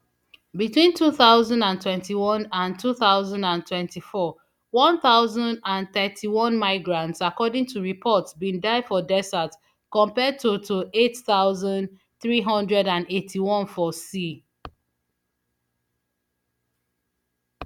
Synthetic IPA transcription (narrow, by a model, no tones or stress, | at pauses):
bitwĩntʰuθaʊzãndãntʰwɛ̃ntiwɔ̃nãntʰuθaʊzãndãntʰwɛ̃ntʰifɔ | wɔ̃nθaʊzãndãnθɛtʰiwɔ̃nmaɪɡɹãntsakɔdɪ̃ŋtuɹipʰɔtsbĩndaɪdfɔdɛsat | kɔ̃mpɛd̚tutʰuʔetθaʊzãnd | θɹiɦʌ̃ndɹɛdãnetʰiwɔ̃nfɔsi